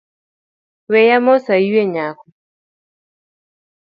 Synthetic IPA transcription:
wɛjamɔsajiwɛɲaku

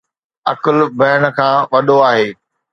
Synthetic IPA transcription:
ɐkəlbʱɐːɽ̃ə̆kʰãːʋɐɗoaːɦeː

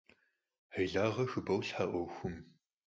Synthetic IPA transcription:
ħəjɮaːʁɐxɨbɐwɬħaʔʷɔwxʷʊm

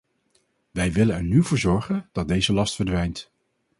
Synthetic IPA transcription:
ʋɛjʋɪlənɛɹnyvʊːɹzɔɹχənd̥ɑt̚dejzəlɑstfəɹdʋɛjnt

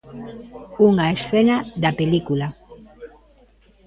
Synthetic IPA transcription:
uŋaesθenaðapelikula

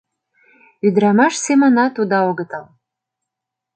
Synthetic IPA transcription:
yd̪ɾamaʂsemanat̪ud̪awoɡət̪ʰalˠ

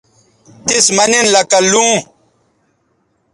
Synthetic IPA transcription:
t̪ismaninlɐkalũ

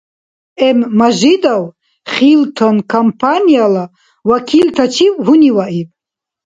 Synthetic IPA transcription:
ɛmːaʒid̪aw | χilt̪ʰɔnkʰampʰaniala | wakʰilt̪ʰat͡ʃʰiwɦuniwaʔibʼ

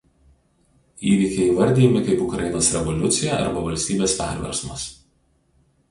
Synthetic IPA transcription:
iːʋʲiːkʲɛɪʋɐɾʲd̪ʲiːjɛmʲɪkɐɪpʊkɾɐjɪnoːsɾʲɛʋɔlʲʊt̪sʲɪjɛʔɐ̰ɾbɐʋɐlʲsʲt̪ʲiːbʲeːspʲæ̰ˑɾʲʋʲɛ̰ɾsmɐ̰s

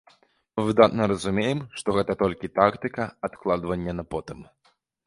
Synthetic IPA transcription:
mɨvɨd̪at̪nɐɾɐzumʲejɛmʂt̪ɔɣɛt̪ɐt̪ɔlʲkʲit̪akt̪ɨkɐat̪klˠad̪vɐnʲːɐnɐpɔt̪ɨm

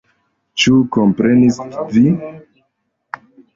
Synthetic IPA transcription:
t͡ʃukompɾe̞nisvi

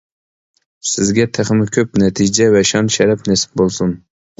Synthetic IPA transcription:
sɪzɡʲɛt̪ʰeχmɪkʲʰɵpnɛt̪ʰɪd͡ʒɛvɛʃɑnʃɛɾɛpnɛsɪ̥p̚bolˠsʊn

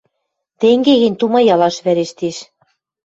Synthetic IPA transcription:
t̪eŋɡeɣɘ̆nʲt̪umɑjɑlɑʃβæɾeʃt̪eʃ

